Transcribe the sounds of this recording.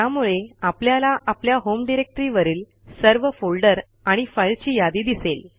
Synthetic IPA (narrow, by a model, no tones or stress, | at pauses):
jamuɭeapljalaʔapljaɦomɖiɾek̚ʈəɾiʋəɾiːl | səɾʋəfolɖəɾ | aɽ̃ifəjɭt͡ɕiːjad̪iːd̪isel